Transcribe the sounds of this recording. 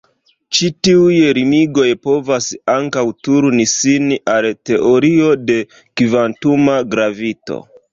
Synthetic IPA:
t͡ʃitiujɾimiɡo̞jpo̞vasaŋkawtuɾnisinʔalte̞ʔo̞ɾio̞de̞ | kivantumaɡɾavito̞̰

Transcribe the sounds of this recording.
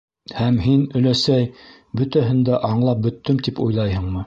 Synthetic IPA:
hæmɦinɵ̆læsæj | bɵ̆t̪æɦɘ̆nd̪æʔɑɴlˠɑp̚bɵ̆t̪ːɵmt̪ipujlˠɑjhɤɴmɤ

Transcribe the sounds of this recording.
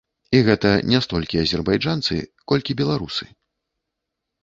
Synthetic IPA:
iɣɛt̪ɐnʲast̪ɔlʲkʲiɐzʲɛrbajd͡ʐant̪sɨ̰kɔlʲkʲibʲɛlˠaɾusɨ

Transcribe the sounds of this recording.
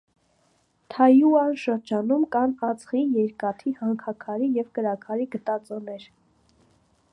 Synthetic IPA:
t̪ʰɑjuɑnʃəɾd͡ʒɑnumkɑnɑt͡sχinjɛɾkɑt̪ʰihɑŋkʰɑkʰɑɾijɛvkəɾɑkʰɑɾiɡət̪ɑt͡sɔnɛɾ

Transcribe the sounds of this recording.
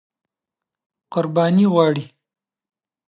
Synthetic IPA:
qʊɾbɑːniʁwɑːɽi

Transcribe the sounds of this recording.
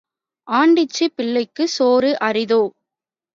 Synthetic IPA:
ʔaːɳɖɪt͡ʃːipɪɭːɐɪkːɯsoːɾɯʔɐrɪðoː

